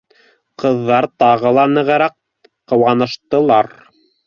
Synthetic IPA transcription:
qɤ̆ðːɑɾt̪ɑʁɤ̆lˠɑnɘ̆ʁɘ̆ɾæq | qːɤ̆wɑnɤ̆ʃt̪ɤ̆lˠɑɾ

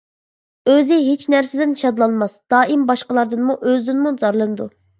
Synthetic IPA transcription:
øzɪɦet͡ʃnæɾsɪd̪ɪnʃɑd̪lˠɑnmɑsd̪̥ɑːʔimbɑʃqəlˠɑɾd̪ɨnmuʔøzd̪ynmuzɑɾlˠɨnɨd̪u

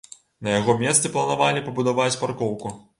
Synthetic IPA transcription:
nɐjaɣɔmʲɛst̪sɨplˠɐnavalʲipɐbud̪avat͡sʲparkɔwku

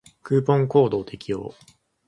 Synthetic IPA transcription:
kɯ̟ːpõ̞ŋko̞ːd̪o̞ːt̪e̞kʲijo̞̰ː

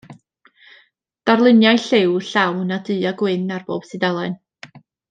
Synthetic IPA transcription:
d̥arlˠɨnjajɬɪwɬawnadɨːaɡwɪnarb̥o̰ːb̥sɨdalˠɛn

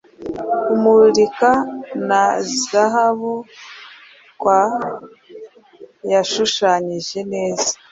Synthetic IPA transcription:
umuɾikanazaɦaβu | kwa | jaʃuʃaːɲiʒe̞ne̞ːzḁ

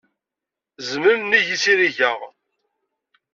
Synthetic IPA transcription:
zməɾniʝisiɾiʝəʁ

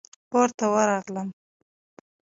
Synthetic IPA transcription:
poɾt̪awəɾɑɣləm

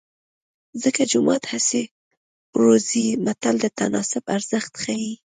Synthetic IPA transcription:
zəkad͡ʒʊmɑt̪hase | ɾozimat̪ald̪ət̪a̰nɑsʊbaɾz̥əxt̪xaji

